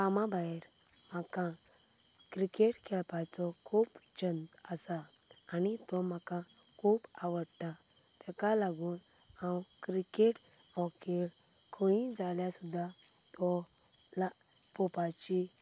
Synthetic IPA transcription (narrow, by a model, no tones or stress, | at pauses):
pamabaɛɾ | m̤akã | kɾikeʈkʰɛlpajt͡sɔkʰuːpd͡ʑənt̪əsaː | nit̪ɔm̤akã | kʰuːpaʋəɽt̪a | t̪ʰɛkalaɡuːn | ãwkɾikeʈ | ɔkelkʰoĩd͡zaljasud̪ʱːa | t̪ɔ | la | pɔpat͡ɕi